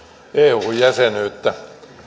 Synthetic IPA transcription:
eːuːjjæsenøyt̪ːæ

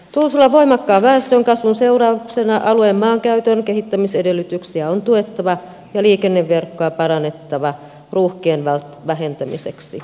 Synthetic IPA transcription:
t̪ulsulːɑʋoimɑkːɑːʋæest̪øŋkɑsʋunseurɑːuksenɑʔɑluemːɑːŋkæyt̪ønkehit̪ːæmisedelːyt̪yksiæont̪uet̪ːɑʋɑ | jɑliːkenːeʋːerkːoɑpɑrɑnːˑet̪ːɑʋɑ | ruːhkeːnʋælt̪ʋæhent̪æmḭsḛksḭ

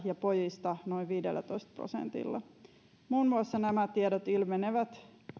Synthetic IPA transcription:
jɑpojist̪ɑnoiʋʋiːdḛlːæ̰t̪oist̪̚pro̰sḛnt̪ḭlːɑ̰ | muːnmuɑsːɑnæmæt̪iedot̪ilmeneʋæt̪

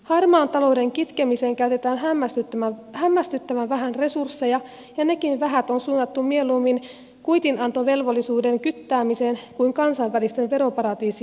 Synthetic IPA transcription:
hɑrmɑːnt̪ɑloude̞ŋkit̪kemiseːŋkæyt̪e̞t̪æːnɦæːæst̪yt̪ːæhæmːæst̪yt̪ːæʋænʋæɦænre̞sursːejɑ | jɑne̞kinʋæɦæt̪onsuːnːɑt̪ːummielumːin | kujt̪inɑnt̪oʋe̞lʋolːisuːde̞ŋkyt̪ːæːmiseːnkuiŋkɑnsɑʋːælist̪enʋe̞ɾo̞pɑɾɑd̪iːsi

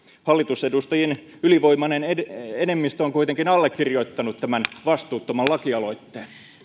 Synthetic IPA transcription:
hɑlːit̪usedust̪ɑjin | yliʋo̞imɑneneenemːist̪øoŋkuit̪eŋkinɑlːekːirjoit̪ːɑnut̪t̪æmænʋɑst̪uːt̪ːomɑllɑkiɑlo̞it̪ːeːn

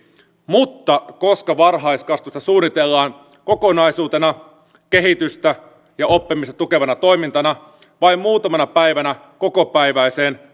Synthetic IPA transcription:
mut̪ːɑkoskɑʋɑrɦɑiskɑst̪ust̪ɑsuːnːit̪elːɑːn | ko̞ko̞nɑisuːt̪enɑ | ke̞ɦit̪yst̪æ | jɑopːimist̪ɑt̪uke̞ʋɑnɑt̪o̞imint̪ɑnɑ | ʋɑimmuːt̪ɑmɑnɑpæjʋænæ | ko̞kopæiʋæjseːn

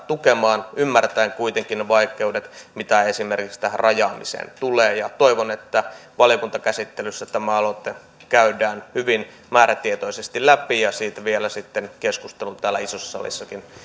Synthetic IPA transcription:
t̪ukemɑːnymːært̪æeŋkuit̪eŋkineʋɑikˑeuwdet̪mit̪æesimerkikst̪ærʔɑjɑːmisḛːnt̪uleːjɑt̪oiʋonet̪ːæʋɑlijokunt̪ɑkæsit̪ːelysːæt̪æmæɑlot̪ːe | kæydæːnhyʋin | mæːɾæt̪iet̪oisest̪ilæpijɑsiːt̪ʋielæsit̪ːenkeskust̪elunt̪æːlːæisosːɑ̥sɑ̰lḭsːɑkin

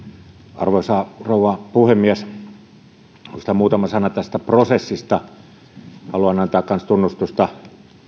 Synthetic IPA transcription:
ʔɑ̰rʋoˑsɑroˑuwˑɑpuhemːiæs | unsi̥t̪æmuːt̪ɑmɑsɑnɑt̪æst̪æprosesːist̪ɑ | hɑluɑnɑnt̪æːkkɑnst̪unːust̪ust̪ɑ

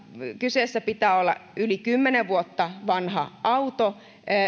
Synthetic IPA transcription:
kyseːsːæpit̪æːolːɑ̰ylikymːeneʋʋuot̪ːɑʋɑnhɑ̰ʔɑut̪o

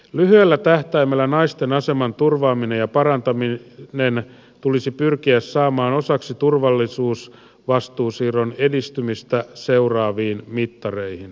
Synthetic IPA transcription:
lyɦyelːæt̪æht̪æimælːænɑist̪enɑse̞mɑnt̪urʋɑːmine̞jɑpɑɾɑnt̪ɑminen | t̪ulisipyrkiæssɑːmɑːno̞sɑksit̪urʋɑlːisuːs | ʋɑst̪uːsiːronedist̪ymist̪æseurɑːʋiːnmit̪ːɑre̞ihin

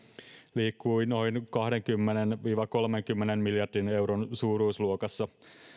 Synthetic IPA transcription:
liːkːuino̞inkɑhde̞ŋkymːenenʋiːʋɑko̞lme̞ŋkymːenemmiljɑrdine̞wɾonsuːɾuːsluokɑsːɑ

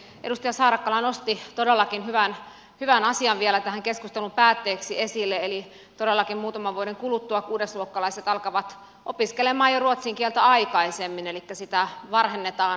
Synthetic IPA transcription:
edust̪ɑjɑsɑːɾɑkːɑlɑnost̪it̪odelːɑkinhyʋæn | hyʋænɑsiɑʋʋielæt̪æhæŋkeskust̪elumpæːt̪ːeːksiesilːeeli | t̪odelːɑkimmuːt̪ɑmɑʋʋuoɾeŋkulut̪ːuɑkuːdesluokːɑlɑiset̪ɑlkɑʋɑt̪ | opiskelemɑːjoruot̪siŋkielt̪æɑikɑisemːinelikːæsit̪æʋɑrhenːet̪ɑːn

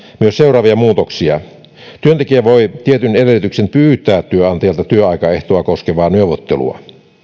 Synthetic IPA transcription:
myøsseurˑɑːʋiɑmuːt̪oksiɑ | t̪yønt̪ekiæʋoit̪iet̪ynedelit̪yksenpyːt̪ˑæːt̪tyøɑnt̪ejɑlt̪ɑt̪yøɑikɑeht̪oɑkoskeʋɑːnyøʋˑot̪ːḛlṵɑ̰

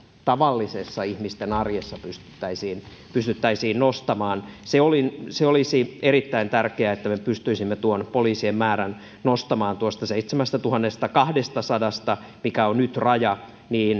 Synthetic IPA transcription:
t̪ɑʋɑlːisesːɑihmist̪enɑrjesːɑpyst̪y̥t̪ːæisiːn | pyst̪yt̪ːæisiːnnost̪ɑmɑːnseolinseolisierit̪ːæint̪ærkeæet̪ːæmepyst̪yisimːet̪uonpoliːsiemmæːɾæn | nost̪ɑmɑːnt̪uost̪ɑseit̪semæst̪ɑt̪uhɑnːest̪ɑkɑhdest̪ɑsɑdɑst̪ɑ | mikæonnyt̪rɑjɑ | niːn

